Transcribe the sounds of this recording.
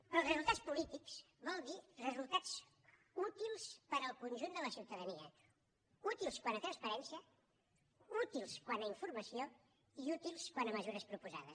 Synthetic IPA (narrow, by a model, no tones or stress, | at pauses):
əlˠzrəzulˠt̪at͡sspulit̪ikz | bɔlˠd̪irəzulˠt̪at͡s | ut̪ilˠspəɾəlˠkunʲʒund̪ələsiwt̪əðəniə̰ | ut̪ilˠskwanət̪ɾənspəɾɛnsiə | ut̪ilˠskwanəiɱfurməsio | iut̪ilˠskwanəməzuɾəspɾupuza̰ðəs